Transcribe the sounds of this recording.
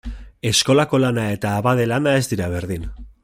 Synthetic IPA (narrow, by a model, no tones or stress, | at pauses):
e̞sko̞lako̞lanae̞t̪aːβað̞e̞lanae̞zd̪iɾaβ̞e̞ɾðin